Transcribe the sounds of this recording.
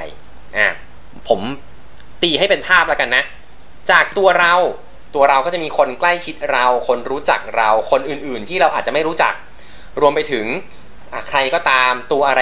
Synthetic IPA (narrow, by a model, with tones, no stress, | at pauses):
ʔaː˧˩ | pʰo˩˦m | t̪iː˧˩ha˥˩jpe˧npʰaː˥˩p̚la˦˥wka˧nːa˦˥ʔ | t͡ɕaː˨˩k̚t̪u˧ɐɾa˧w | t̪u˧ɐɾa˧wkɔː˥˩t͡ɕa˨˩ʔmiː˧kʰo˧nkla˥˩jt͡ɕʰi˦˥t̪̚ɾa˧wkʰo˧nɾuː˦˥t͡ɕa̰˨˩k̚ɾa˧wkʰo˧nʔɯː˨˩nʔɯː˨˩nt̪ʰiː˥˩ɾa˧wʔaː˨˩t̪̚t͡ɕa˨˩ma˥˩jɾuː˦˥t͡ɕa̰˨˩k̚ | ɾu˧əmpa˧jt̪ʰɯ˩˦ŋ | ʔa˧˩kʰɾa˧jkɔː˥˩t̪aː˧mt̪u˧ɐʔa˧ɾa˧